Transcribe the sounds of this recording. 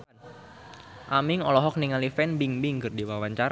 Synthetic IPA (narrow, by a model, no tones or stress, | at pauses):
ʔamɪŋɔlɔɦɔk̚niŋalifɛnbiŋbɪŋkɨrdiwawaɲt͡ʃaɾ